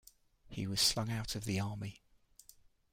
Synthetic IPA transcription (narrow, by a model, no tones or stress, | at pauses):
hḭwɒz̥slʌ̃ŋaʊtʰəvðiɑːmi